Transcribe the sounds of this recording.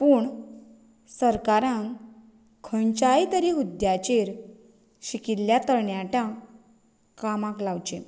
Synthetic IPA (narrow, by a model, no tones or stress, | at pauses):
puːɳ | səɾkaɾãŋ | kʰənt͡ɕait̪əɾiɦud̪jat͡ɕeɾ | ɕikitlːjat̪əɾɳjaʈjã | kamãklawt͡ɕẽ